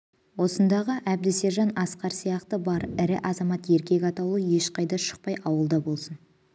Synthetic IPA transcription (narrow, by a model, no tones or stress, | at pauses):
wo̞sənd̪ɑʁəʔæb̚d̪ɪse̞ɾʒɑnɑsqɑɾsijɑqt̪əbɑɾɪɾɪʔɑzɑmɑt̪je̞ɾkʲe̞kʲɑt̪ɑlˠuəje̞ʃqɑjd̪ɑʃə̥q̚pɑjʔɑwəlˠd̪ɑbo̞lˠsən